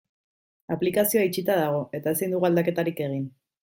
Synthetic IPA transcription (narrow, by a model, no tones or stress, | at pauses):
aplikasioait͡ʃit̪aðaɣ̞o̞e̞t̪ae̞sajnd̪uɣuald̪ake̞t̪aɾike̞ɣ̞in